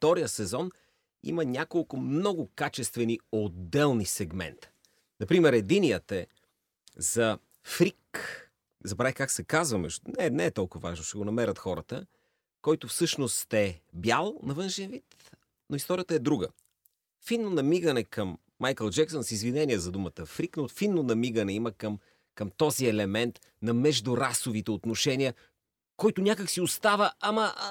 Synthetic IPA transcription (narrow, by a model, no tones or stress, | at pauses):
ft̪ɔɾijəsɛzɔn | ḭmɐnʲakolˠkʊmnɔɡʊkat͡ʃɛst̪vɛniod̪ːɛlˠnisɛɡmɛ̰nt̪ | nɐpɾimɛɾɛd̪iniət̪ɛ | z̥ɐ | fɾik | zɐbɾaikaksɛkazvɐmɛʒnɛnɛɛt̪ɔlˠkʊvɐvaʒnʊʃɛɡonɐmɛɾət̪xɔɾə̰t̪ə | kɔjt̪ʊfsɤʃnost̪ɛbjalˠnɐvɤnʃɛnvit̪ | noist̪ɔɾijət̪əɛd̪ɾuɡə | finːonɐmiɡɐnɛkɐmː | ajkəlˠd͡ʒɛksonsizvinɛniɛzɐd̪umət̪əfɾiknofinːonɐmiɡənɛiməkəm | kɐmt̪ɔziɛlɛmɛnt̪ | nɐmɛʒd̪ʊɾasovit̪ɛot̪noʃɛniə | kɔjt̪ʊnʲakəksiost̪avəamɐ